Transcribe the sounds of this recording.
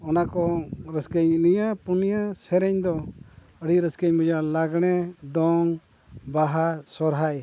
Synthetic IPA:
ɔnakɔɾəskəɲnijapunijasɛɾɛɲd̪ɔ | əɽiɾəskəɲmɛd͡ʒalaɡɽ̃ɛd̪ɔŋ | baɦasɔɾɦaj

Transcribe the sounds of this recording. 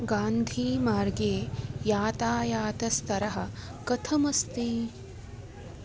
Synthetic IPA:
ɡaːnd̪ʱiːmaːɾɡeːjaːt̪aːjaːt̪ɐst̪ʰɐɾɐɦɐ̆kɐt̪ʰɐmɐst̪iː

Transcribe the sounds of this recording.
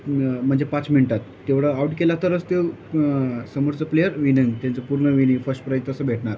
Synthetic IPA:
m̤əɳd͡zepat͡sminiʈat̪ːeʋɽəauʈkelat̪əɾət͡st̪ew | səmoɾt͡səplejəɾʋinəŋɡt̪jãnt͡səpuɾɳəʋinĩfəsʈpɾajt̪əsəbʱeʈɳaɾ

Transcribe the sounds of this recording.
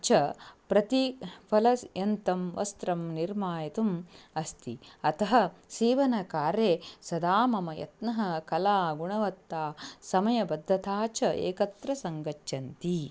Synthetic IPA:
t͡ʃɐpɾɐt̪ipʰɐlɐsjɐnt̪ɐmʋɐ̰st̪ɾɐmniɾmaːjɐt̪umɐst̪ḭɐt̪ɐɦɐsiːʋɐnɐkaːɾeːsɐd̪aːmɐmɐjɐ̰t̪nɐɦɐkɐlaːɡuɳɐʋɐt̪ːaːsɐmɐjɐbɐd̪ʱːɐt̪aːt͡ʃɐʔḛːkɐt̪ɾɐsɐŋɡɐt͡ʃʃɐnt̪i

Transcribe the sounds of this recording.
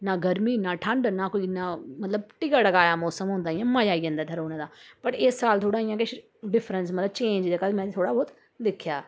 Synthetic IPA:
naːɡəɾmiːnaːʈʰəɳɖnaːkoːiːnaːmət̪ləbʈɪkaɽəɡaːjaːmɔːsəmɦõːnd̪aːɪjãːmajaːiːɛ̃ːnd̪aːt̪ʰəɾoːnẽːd̪aːpəʈɪsːaːlt̪ʰoːɽaːɪjãːkɪʃ | ɖɪpʰɾəns̬mət̪ləbt͡ʃẽːɲd͡ʒd̪eːkad̪mɛ̃ːt̪ʰoːɽaːbɔːt̪ | lɪkʰjaː

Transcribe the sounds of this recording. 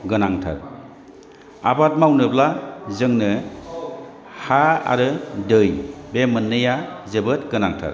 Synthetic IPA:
ɡɯnaŋtʰa̰ɾ | a̰bat̚mawnɯblazɯŋnɯ | haa̰ɾɯdɯjbemɯnːɯja | zebɯt̚ɡɯnaŋtʰa̰ɾ

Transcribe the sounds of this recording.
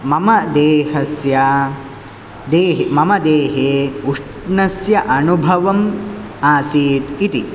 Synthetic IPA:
mɐmɐd̪eːɦɐsjɐ | d̪eːɦemɐmɐd̪eːɦeːuʂʈɳɐsjɐʔɐnubʱɐʋɐm | aːsiːt̪it̪i

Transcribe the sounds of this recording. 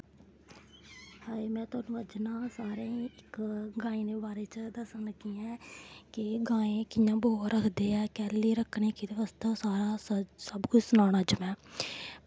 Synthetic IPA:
haːimɛ̃ːt̪ʊaːnũːəd͡ʒnãːsaːɾẽːiːɪkɡãːĩːneːbaːɾeːt͡ʃd̪əsənkiːɛ̃ːkɪɡãːẽːkɪjãːboːɾəkʰd̪eːɛːkɛːliːɾəkʰːneːkɪd̪eʋəst̪ãːsaːɾaːssəbkʊt͡ʃsʊnaːnaːd͡ʒəmɛ̃ː

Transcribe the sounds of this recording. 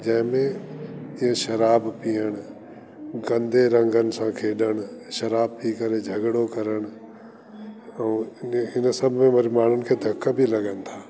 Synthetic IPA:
d͡ʑɐ̃ɦɪ̃mẽɪẽʃɐɾaːbpijəɽ̃ʊ | ɡɐ̃nd̪ʱeɾɐ̃ŋɡənɪ̆sãkʰeːɗəɽ̃ʃɐɾaːb̚pikɐɾed͡ʒʱɐɡɽokɐɾəɽ̃̆ | ɛ̃ːɦɪnə̆sɐbʱmẽmɐɾmaːn̤ʊnɪ̆kʰeːd̪ʱɐkːəbʱilɐɡənɪ̆t̪ʰaː

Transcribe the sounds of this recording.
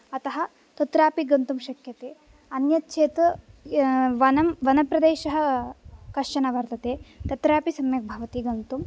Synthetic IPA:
ɐt̪ɐɦɐ̆ | t̪ɐt̪ɾaːpiɡɐnt̪umʃɐkjɐt̪eː | ɐnjɐt̪̚ʃʰeːt̪ɐ | ʋɐnɐmʋɐnɐpɾɐd̪eːʃɐɦɐ̆kɐɾʃɐnɐʋɐɾt̪ɐt̪eːt̪ɐt̪ɾaːpisɐmjɐk̚bʱɐʋɐt̪iɡɐnt̪um

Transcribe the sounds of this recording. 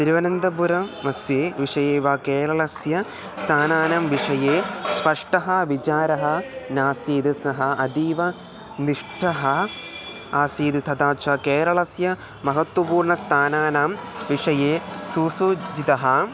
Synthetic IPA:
t̪iɾiʋɐnɐnd̪ɐpuɾɐmɐsjeːʋiʂɐjeːʋaːkeːɾɐɭɐsjɐ | st̪ʰaːnaːnaːmʋiʂɐjeːspɐʂʈɐɦɐʋit͡ɕaːɾɐɦɐnaːsiːd̪ɐsɐɦɐɐd̪iːʋɐ | niʂʈʰɐɦɐ | aːsiːd̪it̪ʰɐd̪aːt͡ʃakeːɾɐɭɐsjɐ | mɐɦɐt̪wɐpuːɾɳɐst̪ʰaːnaːnaːmʋiʂɐjeːsuːsuːd͡ʑit̪ɐɦɐ

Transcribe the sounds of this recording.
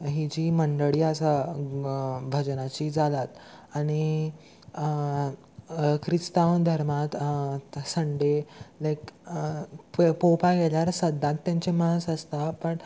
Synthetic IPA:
ɦid͡ʑiːməɳɖəɭiːəsa | bʱəd͡ʑnat͡ɕiːd͡zalat̪aɽ̃i | kʰɾist̪awnd̪ʱəɾmat̪ | səɳɖelajk | ppopaɡɛljaɾsəd̪ʱːãt̪ːjãɲt͡ɕemaɦəsəst̪apəɳ

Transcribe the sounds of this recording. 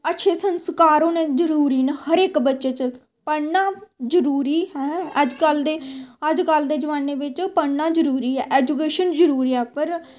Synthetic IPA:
ətːʃʰeːsənskaːɾoːnẽːd͡ʒəɾuːɾiːnəhəɾeːkbətːʃeːt͡ʃ | pəɽnaːzəɾuːɾiːɦɛːəd͡ʒkəld̪eːəd͡ʒkəld̪eːd͡ʒəʋaːnːeːbɪt͡ʃpəɽnaːd͡ʒəɾuːɾiːɦɛːʔɛːd͡ʒuk̬eːʃənd͡ʒəɾuːɾiːɛːpəɾ

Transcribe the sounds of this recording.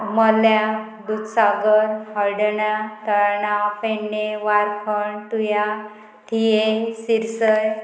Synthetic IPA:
məlja | d̪ut̪saɡəɾhəɽɳat̪əɭɳapeɳːeʋaɾkʰəɳt̪uja | t̪ʰijesiɾsəj

